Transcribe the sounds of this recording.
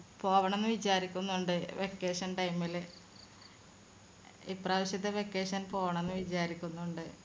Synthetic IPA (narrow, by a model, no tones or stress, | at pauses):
po̞ːʋɐɳenːɨʋit͡ɕaːɾikʲːunːuɳɖɨʋekːeːʂɐnʈɐjmil | ipraːʋiɕɐt̪ːeʋekːeːʂɐnpo̞ːʋɐɳenːɨʋit͡ɕaːɾikʲːunːuɳɖɨ